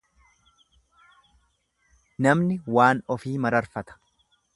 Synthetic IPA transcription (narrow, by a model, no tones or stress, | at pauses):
nɐmnɪwaːnɔfiːmɐɾɐɾfɐt̪ɐ̥